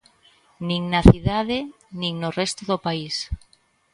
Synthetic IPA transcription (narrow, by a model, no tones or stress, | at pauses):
nĩŋnaθiðaðe | nĩŋnorɛst̪oðopais